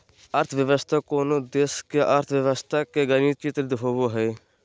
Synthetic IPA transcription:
əɾt̪ʰʋjəʋəst̪ʰaːkoːnoːd̪eːskjaʔəɾt̪ʰʋjəʋəst̪ʰaːkeːɡəniːt͡ʃit̪ɾd̪ɦoːʋoːɦeː

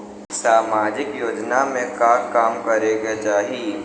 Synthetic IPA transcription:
saːmaːd͡ʒɪkjoːd͡ʒnamẽkaːkaːmkɐɾeɡet͡ʃaːɦi

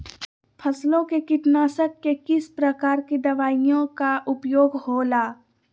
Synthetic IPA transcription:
pʰɐslõkekɪʈ̪naːsəkːekɪspɾɐkaːɾkid̪ɐʋaːijõkaʔʊpjoːɡhoːlaː

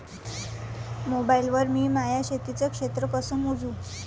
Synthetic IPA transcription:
mobailʋəɾmiːmajaɕet̪it͡səkʂet̪ɾəkəsəmud͡zuː

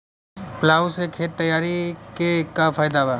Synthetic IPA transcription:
plaːwsekʰeːt̪ːɐjaːɾikekafaːjd̪aba

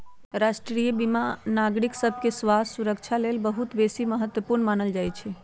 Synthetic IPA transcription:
ɾaʃʈɾijəbimanaɡɾiksəbʱkesʋasuɾəkt͡ʃʰalelbəɦut̪besiməɦət̪ːwəpuɾnmanəld͡ʒajt͡ʃʰɛ

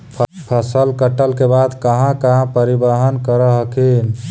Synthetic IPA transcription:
pʰpʰəsəlkəʈəlkebad̪kəɦãkəɦãpəɾibəɦənkəɾəɦəkin

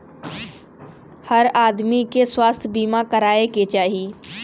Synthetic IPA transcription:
hɐɾaːd̪mikeswaːst̪ʰbiːmakɐɾaːeket͡ʃaːɦiː

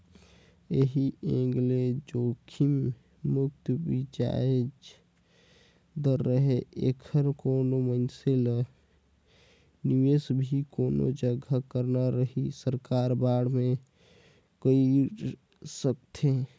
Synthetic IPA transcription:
eɦiʔẽɡled͡ʒokʰim | mʊk̚t̪bid͡ʒa̰ed͡ʒ | d̪əɾːəɦeḛkʰəɾkonomənsele | niʋesbʱikono̰d͡ʒəɡʱakəɾnaɾəɦisəɾkaɾbaɽ̤me | kəi | səkt̪ʰe

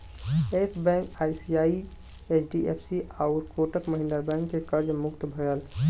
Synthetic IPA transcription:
esbɛ̃ŋkaːisiaːi | et͡ʃʰɖiʔepʰsiʔaʊɾkoʈəkməɦɪ̃nd̪əɾbɛ̃ŋkːekəɾd͡ʒmʊkt̪bʱəjəl

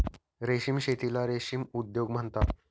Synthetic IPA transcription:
ɾeɕimɕet̪ilaɾeɕimud̪joɡm̤əɳt̪a

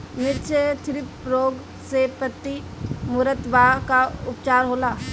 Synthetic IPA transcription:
mɪt͡ʃʰet̪ʰɪɾɪpɾoːɡ | sepət̪ːi | mʊɾət̪ʋakaʊpt͡ʃaːɾɦoːlaː

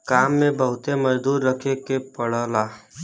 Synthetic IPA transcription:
kaːmːẽbəɦʊt̪emɐd͡ʒd̪uːɾːəkʰekepəɽəːlaː

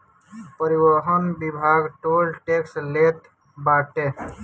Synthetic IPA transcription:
pəɾiʋəɦɔnbibʱaːɡʈolʈekslet̪ | baːʈe

